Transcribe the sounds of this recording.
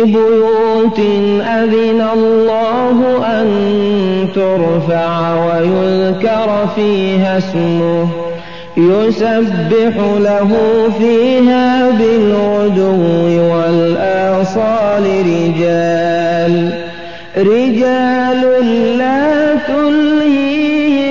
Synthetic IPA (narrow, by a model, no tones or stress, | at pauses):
bʊjuːt̪ | ʔaðɪnalllːɑːɦʊʔan | t̪ʊɾfaʕwajʊðkɑɾfiːɦasmʊh | jʊsabːɪħʊlaɦuːfiːɦaːbɪlʕʊd̪ʊwːɪwalʔɑʕsˤɑːlɪɾɪd͡ʒaːl | ɾɪd͡ʒaːlʊlːaːkʊlhi